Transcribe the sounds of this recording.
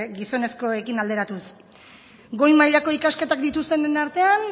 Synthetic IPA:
ɡiso̞ne̞sko̞e̞kinald̪e̞ɾat̪us | ɡo̞jmajʎako̞ikaske̞t̪akd̪it̪ust̪e̞nenaɾt̪e̞an

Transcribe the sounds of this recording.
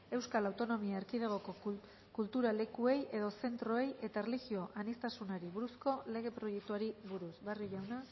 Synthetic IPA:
e̞wskalawt̪o̞no̞miaeɾkið̞eɣ̞o̞ko | kult̪uɾale̞kue̞je̞ðo̞se̞nt̪ɾo̞e̞je̞t̪aerlixio̞ʔanist̪asunaɾiβuɾusko̞le̞ɣ̞e̞pɾo̞je̞k̚t̪uaɾiβuɾusβariʝawna

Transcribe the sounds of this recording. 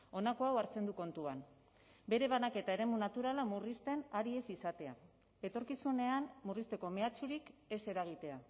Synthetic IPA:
o̞nako̞awaɾt͡se̞nd̪uko̞nt̪uan | be̞ɾe̞βanake̞t̪ae̞ɾe̞munat̪uɾalamurist̪e̞naɾie̞sisat̪e̞a̰ | e̞t̪o̞ɾkisune̞anmurist̪e̞ko̞me̞at͡ʃuɾike̞se̞ɾaɣ̞it̪e̞a

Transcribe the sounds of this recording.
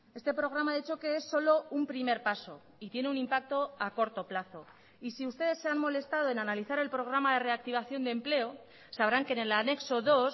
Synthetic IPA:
e̞st̪e̞pɾo̞ɣ̞ɾamaðit͡ʃo̞ke̞esːo̞lo̞umpɾime̞ɾpaso̞̰ | it̪je̞ne̞unĩmpak̚t̪o̞ako̞ɾt̪o̞plaθo̞ | isiust̪e̞ð̞e̞sːe̞anmo̞le̞st̪aðo̞e̞nanaliθaɾe̞lpɾo̞ɣ̞ɾamaðe̞re̞ak̚t̪iβ̞aθjo̞nd̪e̞mple̞o | saβ̞ɾaŋkenelane̞kso̞ðo̞s

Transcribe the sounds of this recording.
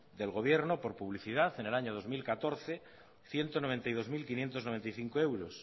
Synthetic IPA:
d̪e̞lɣo̞β̞je̞ɾno̞po̞ɾpuβ̞liθiðaθe̞ne̞laɲoð̞o̞zmilkat̪o̞ɾθe | θje̞nt̪onoβe̞nt̪ajð̞o̞zmilkinje̞nt̪ozno̞βe̞nt̪ajθiŋkoe̞wɾos

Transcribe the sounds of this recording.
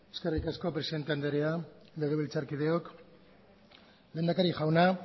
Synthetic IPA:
e̞ske̞rikasko̞pɾe̞siðe̞nt̪e̞and̪eɾealeðeilt͡saɾkiðe̞ok | le̞ːnd̪akaɾixʝawna

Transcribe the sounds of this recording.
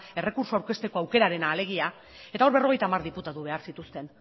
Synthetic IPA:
e̞re̞kuɾsoaɾke̞st̪e̞ko̞awke̞ɾaɾe̞naːle̞ɣ̞ia | e̞t̪ao̞ɾβe̞ro̞ɣ̞e̞jt̪aːmaɾðiput̪aðuβe̞aɾsit̪ust̪e̞n

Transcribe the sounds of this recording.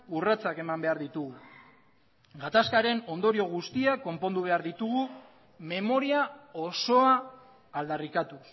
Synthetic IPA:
urat͡sake̞mambe̞aɾðit̪uɣu | ɡat̪askaɾe̞no̞nd̪o̞ɾio̞ɣ̞ust̪iako̞mpo̞nd̪uβ̞e̞aɾðit̪uɣ̞u | me̞mo̞ɾiao̞so̞aː | ld̪arikat̪us

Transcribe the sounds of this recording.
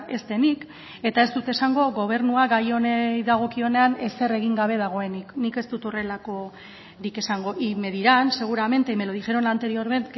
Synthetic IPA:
e̞st̪e̞nik | e̞t̪ae̞st̪ut̪e̞saŋɡo̞ɣo̞β̞e̞ɾnuaɡajo̞neðaɣ̞o̞kio̞ne̞ane̞se̞re̞ɣ̞iŋɡaβ̞e̞ð̞aɣ̞o̞e̞niknike̞st̪ut̪o̞re̞lako̞ | ɾike̞saŋɡo̞ʔime̞ðiɾanse̞ɣ̞uɾame̞nt̪emeloðiʝe̞ɾo̞nant̪e̞ɾio̞ɾme̞nt̪

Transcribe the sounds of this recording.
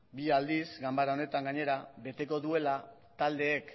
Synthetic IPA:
biald̪izɡambaɾaone̞t̪aŋɡaɲe̞ɾaβe̞t̪e̞ko̞ðue̞la | t̪ald̪e̞ːk

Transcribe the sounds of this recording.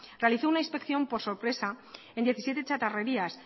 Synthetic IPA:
re̞aliθo̞unaĩnspe̞kθjo̞mpo̞ɾso̞ɾpɾe̞saend̪je̞θisje̞t̪e̞t͡ʃat̪are̞ɾias

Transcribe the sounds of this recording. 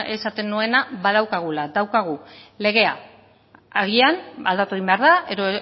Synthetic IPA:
e̞sat̪e̞nːue̞naβaðawkaɣ̞ulaðawkaɣ̞ule̞ɣ̞e̞a̰ | aɣ̞iana̰ld̪at̪ueimbe̞aɾðaeðo

